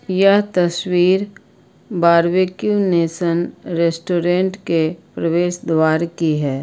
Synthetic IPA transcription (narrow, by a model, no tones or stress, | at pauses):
jəɦt̪əswiːɾ | baːɾwekjuneːsənɾeːsʈoːɾẽːɳʈkepɾəweːʃd̪waːɾkiɦɛː